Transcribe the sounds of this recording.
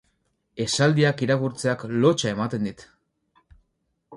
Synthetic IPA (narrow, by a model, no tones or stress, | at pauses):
e̞sald̪iakiɾakuɾt͡se̞aklo̞t͡ʃae̞mat̪e̞nd̪it̪